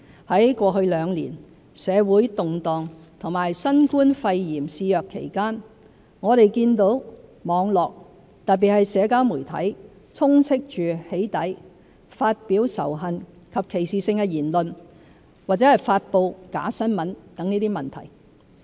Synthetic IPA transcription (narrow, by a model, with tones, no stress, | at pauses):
hɐ˨˥jkʷɔː˧hɵ˧ɥlœː˨˧ŋlḭː˨˩n | sɛː˨˧wuː˨˥jt̪ʊ˨ŋt̪ɔː˨ŋ | t̪ʰʊ˨˩ŋmaː˨˩jsɐ˥nkuː˥nfɐ˧jjiː˨˩msiː˧jœː˨kʰːḛ˨˩jkaː˥n | ŋɔː˨˧tɾe˨jkiː˧nt̪o˨˧˥wmɔː˨˧ŋlɔː˨k̚ | t̪ɐ˨t̚p̬ːi˨t̚hɐ˨jsɛː˨˧kaː˥wmuː˨˩jt̪ʰɐ̰˨˥j | t͡sʰʊ˥ŋt͡sʰɪ˥k̚t͡ʃyː˨he˨˥jt̪ɐ˨˥j | faː˧t̚piː˨˥wsɐ̰˨˩wɦɐ˨n | kʰɐ˨p̚kʰe˨˩jsiː˨sɪ˧ŋkɛ˧jiː˨˩nlɵ˨n | waː˨k̚t͡sɛː˨˥hɐ˨jfaː˧t̚po˧wka̰ː˨˥sɐ˥nmɐ˨˥nt̪ɐ˨˥ŋniː˥t̪iː˥mɐ˨nt̪ʰɐ̰˨˩j